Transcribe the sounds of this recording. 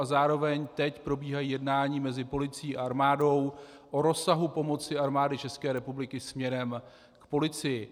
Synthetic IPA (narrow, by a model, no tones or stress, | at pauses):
azaːɾo̞vɛɲt̪ɛcpɾo̞biːɦajiːjɛdnaːɲiːmɛzɪpo̞lɪt͡siiːʔaʔaɾmaːdo̞w | ʔo̞ɾo̞saɦupo̞mo̞t͡sɪaɾmaːdɪt͡ʃɛskɛːɾɛpublɪkɪsmɲɛɾɛm | kpo̞lɪt͡sɪjɪ